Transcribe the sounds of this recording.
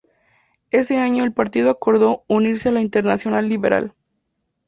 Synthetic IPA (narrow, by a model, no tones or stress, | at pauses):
e̞se̞aɲo̞elpaɾt̪ið̞oako̞ɾðo̞uniɾsealaint̪eɾnasjo̞nalːiβeɾʔa̰l